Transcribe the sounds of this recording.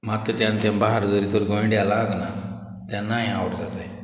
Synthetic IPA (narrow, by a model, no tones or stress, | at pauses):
mat̪ət̪jãnt̪jãmbaɦaɾd͡zoɾit̪oɾɡɔ̃ɳɖjalaɡna | t̪jãnaːɦĩawʈʰd͡zat̪aj